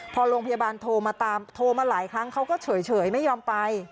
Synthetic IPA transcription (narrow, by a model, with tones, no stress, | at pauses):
pʰɔ˧ɾoː˧ŋpʰa˧jaː˧baː˧nt̪ʰoː˧maː˧t̪aː˧mt̪ʰoː˧maː˧laː˩˦jkʰɾa˦˥ŋkʰa˦˥wkɔː˥˩t͡ɕʰɤː˩˦jt͡ɕʰɤː˨˩˦jma˥˩jːɔː˧mpa˧j